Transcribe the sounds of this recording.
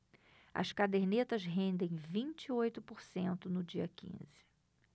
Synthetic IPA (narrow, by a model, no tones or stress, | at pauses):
ɐ̰skad̪eɾnet̪ɐzɦẽnd̪ẽj̃vĩnt͡ʃiojt̪ʊpoɾsẽnt̪ʊnʊd͡ʒiɐkḭ̃zɪ